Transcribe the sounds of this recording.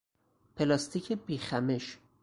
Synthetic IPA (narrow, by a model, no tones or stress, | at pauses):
pʰelɒst̪ʰicʰebiːxæmeʃ